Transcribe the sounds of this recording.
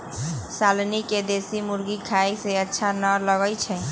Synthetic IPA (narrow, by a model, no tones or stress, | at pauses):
salniked̪esimuɾɡikʰajseətːʃʰanələɡəjt͡ʃʰɛ